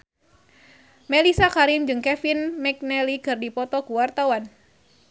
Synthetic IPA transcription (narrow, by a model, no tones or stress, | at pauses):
melisakaɾimd͡ʒɨŋkɛfinmɛk̚nɛlikɨrdipɔt̪ɔkuwart̪awan